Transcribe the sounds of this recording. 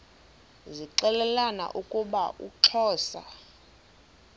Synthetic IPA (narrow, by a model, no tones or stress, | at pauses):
ziǁɛlɛlana̰ʔukʼuɓaʔṵǁʰɔːsa̰